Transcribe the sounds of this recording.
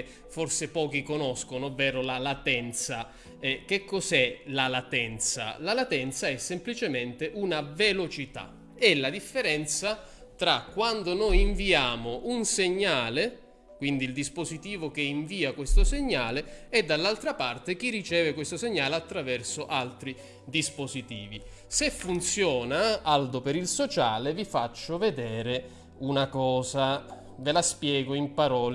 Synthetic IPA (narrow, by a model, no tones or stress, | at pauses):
forsepɔːk̟ikonɔskonoovːɛːɾolalat̪ɛnt̪sa | ɛk̟ːekːɔzɛlalat̪ɛnt̪sa̰lalat̪ɛnt̪saɛsːemplit͡ʃement̪eʔunavelot͡ʃit̪a̰ | ɛlːad̪ifːeɾɛnt̪sa | t̪ɾakːwand̪onɔjiɱviaːmoʔunseɲːaːle | kwind̪iːld̪ispozit̪iːvok̟eiɱviːakwest̪ʊseɲːaːleɛd̪ːalːalt̪ɾapart̪ek̟irːit͡ʃɛːvekwest̪oseɲːaːleat̪ːɾavɛrsʊʔalt̪ɾi | d̪ispozit̪ḭːvi | sefːunt̪sjɔːnaald̪opeɾilsot͡ʃaːlevifat͡ʃːʊved̪ɛːɾe | unakɔːza | velaspjɛːɡoimpaɾɔːl